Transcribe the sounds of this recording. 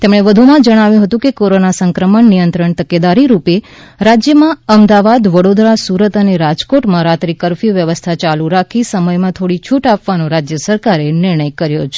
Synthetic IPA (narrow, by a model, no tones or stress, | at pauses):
t̪emɽ̃eʋəd̪ʱumãd͡ʒəɽ̃aʋjũɦət̪ũkekoɾonasəŋkɾəməɳnijənt̪ɾəɳt̪əked̪aɾiɾupe | ɾad͡ʒjəmãəmd̪aʋad̪ʋəɽod̪ɾasuɾət̪əneɾad͡ʒkoʈmãɾat̪ɾikəɾfiʋjəʋəst̪ʰat͡ʃaluɾakʰisəməjmãt̪ʰoɽit͡ʃʰuʈapʋanõɾad͡ʒjəsəɾkaɾenɪɾɳəjkəɾjot͡ʃʰe̥